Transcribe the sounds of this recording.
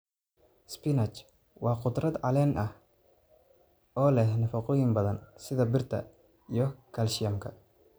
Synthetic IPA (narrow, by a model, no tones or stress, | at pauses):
spɪnɐt͡ʃ | wɑːqʊd̪rɐd̪ʕɑlɛːnʔɐh | ɔːlɛhnɐfɑqɔːjɪŋbɐðɐnsɪðɐbɪrt̪ʰɐ̰ | ijɞkʰɐlʃɪjɐmkʰɐ